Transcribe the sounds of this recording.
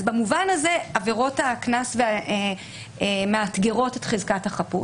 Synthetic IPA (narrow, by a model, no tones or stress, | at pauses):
zbamuvanaze̞aveʁo̞taknasvea | meatɡeʁo̞tetχezkathaχapu